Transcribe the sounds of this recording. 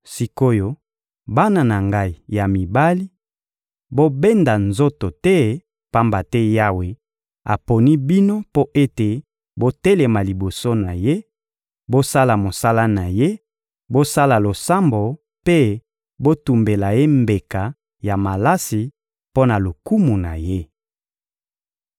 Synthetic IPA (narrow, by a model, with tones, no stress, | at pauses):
si˨ko˦jo˦ | ba˦na˨na˨ŋɡa˦i˨ja˨mi˨ba˦li˦ | bo˦be˦nda˨nzo˦to˨tɛ˦ | pa˦mba˨tɛ˦ja˦we˨ | a̰˨po˨ni˦bi˦no˦po˦ʔe˦te˨ | bo˦te˦le˨ma˨li˨bo˨so˦na˨je˦ | bo˦sa˦la˨mo˨sa˦la˦na˨je˦ | bo˦sa˦la˨lo˨sa˦mbo˨ | pe˦ | bo˦tu˨mbe˨la˨je˦mbe˨ka˨ | ja˨ma˨la˦si˨ | po˦na˨lo˨ku˦mu˨na̰˨je˦